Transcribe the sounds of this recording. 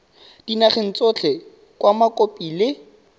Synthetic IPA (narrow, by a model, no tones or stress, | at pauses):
d̥inaχɪn̩t͡sʼot͡ɬʰɛ | kʼwamakʼopʼilɪ